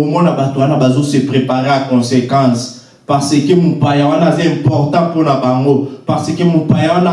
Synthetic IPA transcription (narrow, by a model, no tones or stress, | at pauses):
omɔnabatowanabazosepʁepaʁeakɔ̃sekɑ̃s | paʁsəkəmopajawanazaɛ̃mpɔʁtɑ̃ponabaŋɡopaʁsəkəmopajawana